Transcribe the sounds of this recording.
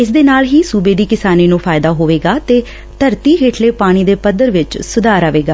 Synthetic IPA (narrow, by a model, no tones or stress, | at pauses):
ɪs̬d̪eːnaːlɦiːsuːbeːd̪iːkɪsaːniːnũːpʰaːɪd̪aːɦoːʋeːɡaːt̪eː | t̪əɾt̪iːɦeːʈʰleːpaːɽ̃iːd̪eːpəd̪əɾʋɪt͡ʃsʊd̪aːɾaːʋeːɡaː